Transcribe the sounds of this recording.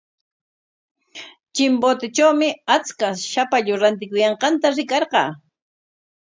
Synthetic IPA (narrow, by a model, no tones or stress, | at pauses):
t͡ʃɪmbot̪ɪt͡ʃawmɪat͡skaʃapaʎʊɾant̪̬ɪkʊjɑɴqɑnt̪aɾɪkɑɾqɑː